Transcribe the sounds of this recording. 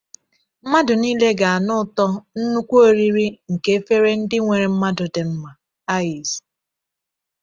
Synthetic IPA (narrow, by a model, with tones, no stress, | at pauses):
m̩˦ma˦dʊ˨niː˦le˦ɡa˨a˨nʊ˦ʊ˨tɔ˦n̩˦nu˦kʷu˦o˦ɾi˦ɾi˦ŋ̩˨ke˦e˦fe˦ɾe˦n̩˦dɪ˦ŋʷe˨ɾe˨m̩˦ma˦dʊ˨de˨m̩˦ma˨ | a˦i˨s